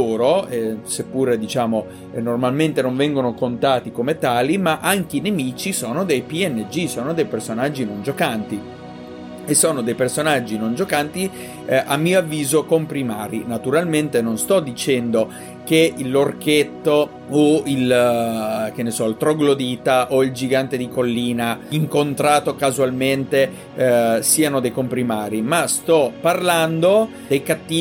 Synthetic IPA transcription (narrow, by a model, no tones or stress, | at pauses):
oːɾoɛsepːuɾed̪it͡ʃaːmo | normalment̪enoɱvɛŋɡonokont̪aːt̪ikomet̪aːlimaʔaŋk̟einemiːt͡ʃisoːnod̪ejpiɛnːed͡ʒisoːnod̪ejpersonad͡ʒːinond͡ʒokant̪i | esːoːnod̪ejpersonad͡ʒːinond͡ʒokant̪i | ʔamːiːoavːiːzokompɾimaːɾinat̪uɾalment̪enonst̪ɔd̪ːit͡ʃɛnd̪o | k̟eilorket̪ːo | oil | k̟enːesɔilt̪ɾoɡlod̪iːt̪aʔoild͡ʒiɡant̪ed̪ikolːiːnaiŋkont̪ɾaːt̪okazualment̪e | siːanod̪ejkompɾimaːɾimast̪ɔparland̪o | d̪ejkat̪ːiː